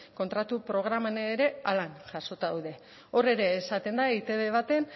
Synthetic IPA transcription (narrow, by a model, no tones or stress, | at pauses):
ko̞nt̪ɾat̪upɾo̞ɣ̞ɾamaneeɾe̞alanʝaʃo̞t̪aða̰wðe̞ | o̞re̞ɾe̞ːsat̪e̞nd̪aeit̪e̞βe̞β̞at̪e̞n